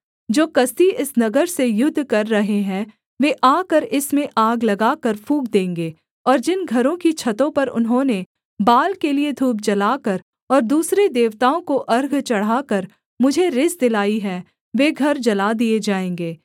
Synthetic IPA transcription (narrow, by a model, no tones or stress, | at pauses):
d͡ʒoːkɐst̪iʔɪsnɐɡəɾsejʊd̪ʱːkɐɾːɐɦeɦɛ̃ | ʋeːʔaːkəɾɪsmẽʔaːɡlɐɡaːkəɾpʰũːkd̪ẽːŋɡeː | ɔːɾd͡ʒɪnɡʱɐɾõkit͡ʃʰɐt̪õpɐɾʊ̰nɦõːne | baːlkelied̪ʱuːb̚d͡ʒɐlaːkəɾ | ɔːɾd̪uːsɾed̪eːʋt̪aːõkoʔɐɾɡt͡ʃɐɽ̤aːkɐɾ | mʊd͡ʒʱeɾɪsd̪ɪlaːiɦɛ | ʋeːɡʱɐɾd͡ʒɐlaːd̪ied͡ʒaːẽːŋɡeː